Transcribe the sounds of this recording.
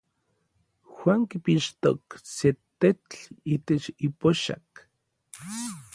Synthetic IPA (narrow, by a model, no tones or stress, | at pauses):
xwaŋkipiʃt̪o̰kset̪et͡ɬiːt̪et͡ʃipoʃa̰k